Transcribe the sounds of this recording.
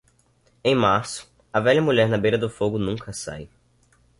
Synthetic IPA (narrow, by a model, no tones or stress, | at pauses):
ẽj̃maɾsʊ̥ | ɐvɛʎɐmuʎɛɾnɐbejɾɐd̪ʊfoɡʊnũŋkɐsa̰j